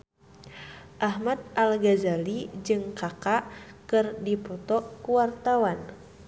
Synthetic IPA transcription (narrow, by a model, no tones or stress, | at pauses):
ʔaɦmad̪̚ʔalɡazalid͡ʒɨŋkakaʔkɨrdipɔt̪ɔkuwart̪awan